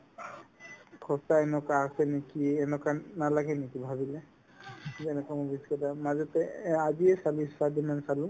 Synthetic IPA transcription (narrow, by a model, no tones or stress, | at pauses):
kʰɔtaɛnɔkaasɛnekiɛnɔkanalaɡɛnekibʱaβilɛ | zɛnɛkamɔbiskɛtamazɔt̪ɛaziɛsaliisadimansalũ